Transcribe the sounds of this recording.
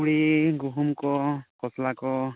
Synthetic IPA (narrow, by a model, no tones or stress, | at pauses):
uɽiɡuɦumkɔkɔslakɔ